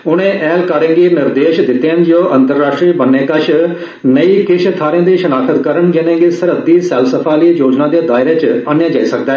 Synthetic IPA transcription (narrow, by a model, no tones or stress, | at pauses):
ʊñẽːʔɛːlkəɾẽŋɡiːnɪɾd̪eːʃd̪ɪt̪ːẽːnd͡ʒoːʔə̃nt̪əɾːaːʃʈɾiːbənːẽːkəʃʰ | nəiːkɪʃt̪ʰaːɾj̃ãːd̪iːʃənaːkʰət̪kəɾəɳd͡ʒɪnẽːɡeːsəɾəd̪iːsɛːlsəpʰaːliːjoːd͡ʒnãːd̪eːd̪aːɪɾeːt͡ʃaːnjãːd͡ʒaːiːsək̚d̪aː